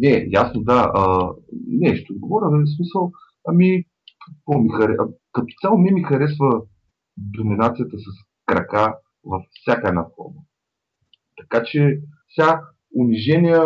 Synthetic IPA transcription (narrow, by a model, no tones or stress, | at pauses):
nɛjasnod̪aənɛʃt̪od̪ɡovɔɾʲəvɛsmisəlˠ | ɐmi | kɐkvɔmixɐɾɛkɐt̪o̥t̪sʲalˠomʲɛmixɐɾɛsvə | d̪ominat̪sijət̪əsɐs | kɾɐka | vɐfsʲjakəɛd̪na̰fɔ̰ɾmə | t̪ɐ̥kat͡ʃɛfsʲa | ʊniʒɛnijə